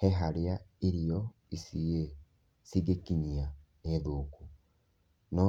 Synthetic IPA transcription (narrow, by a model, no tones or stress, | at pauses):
hɛɦaɾeaiɾijɔ | isie | siɡekiɲia | neðoku | nɔ